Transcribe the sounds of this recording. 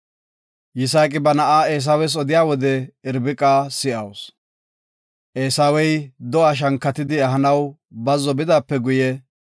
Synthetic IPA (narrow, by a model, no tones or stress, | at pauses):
jɪs̬aːkʼɪbɐnɐʔaːeːs̬awɛs̬ɔd̪ɪjaːwɔd̪ɛɪɾbɪkʼaːsɪʔɐws | ʔeːsawɛjd̪ɔaːʃ̬ɐŋkːɐt̪ɪd̪ɪɐɦɐnɐw | bɐzɔbɪd̪aːpːɛɡʊjɛ